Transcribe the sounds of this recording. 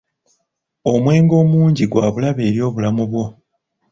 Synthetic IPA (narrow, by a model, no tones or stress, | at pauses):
o̞mwe̞ːŋɡo̞ːmuːɲɟiɡwaːβulaβe̞ːɾjo̞ːβulamuβwo̞